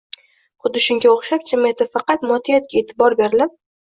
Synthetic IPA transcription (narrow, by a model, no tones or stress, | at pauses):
χʊd̪ːɪʃʊŋɡʲaoχʃap̚t͡ʃʰɪmet̪ʰɪfɑqɑt̪mɒt̪ʰɪjat̪̚kʲaet̪ʰɪbɒɾbe̞ɾɪlɪp